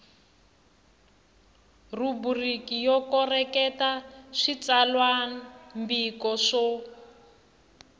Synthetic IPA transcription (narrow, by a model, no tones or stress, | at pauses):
ruburikijɔkɔrɛkɛtaʂit͡salwambikɔʂɔ